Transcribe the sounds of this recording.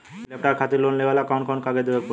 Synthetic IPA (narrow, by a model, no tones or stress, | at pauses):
lep̚ʈaɾkʰat̪elonleɡalakɔnkʰɔnkaɡed̪ebeɾpo